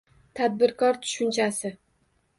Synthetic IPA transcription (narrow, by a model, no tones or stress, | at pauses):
t̪ʰad̪̚bɪɾkʰɒɾt̪ʰʊ̥ʃʊnt͡ʃʰasɪ